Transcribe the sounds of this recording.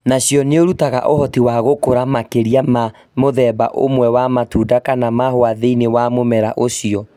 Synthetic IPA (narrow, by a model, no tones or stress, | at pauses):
naɕjɔneoɾutaɣa̰ʔohɔtiwaɣokoɾamakeɾiama | moðɛːba̰ʔo̰mwɛwamatuːdakanamahoaðeinewamomɛɾaʔoɕiɔ